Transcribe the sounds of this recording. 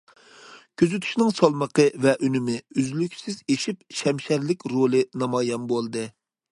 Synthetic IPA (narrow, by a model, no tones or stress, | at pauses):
kʲʰøzyt̪ʰy̥ʃnɪŋsɑlˠməqʰəvɛʔynymɪyzlykʲsɪzeʃip̚ʃɛmʃæɾlɪkʲɾolˠɨnɑmɑːjɑnbolˠd̪ɨ